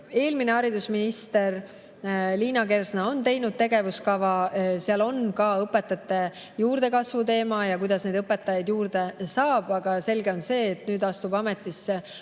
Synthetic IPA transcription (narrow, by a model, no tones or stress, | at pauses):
e̞ːlmineɑɾid̪usminist̪e̞r | liːnɑke̞rsnɑo̞nt̪e̞jnud̪̚t̪e̞ɡe̞vuskɑvɑseɑlo̞nkɑːɤpːˑe̞t̪ːˑɑt̪ːˑe̞ | juːɾd̪̥e̞kɑsvut̪e̞ːmɑjɑkujd̪̥ɑsne̞jd̪ɤpːˑe̞t̪ːˑɑjɑjd̪juːɾd̪̥e̞sɑːb̥ɑɡ̥ɑse̞lɡe̞o̞nse̞ːt̪nyːd̪ɑst̪ubɑme̞t̪ːˑisːe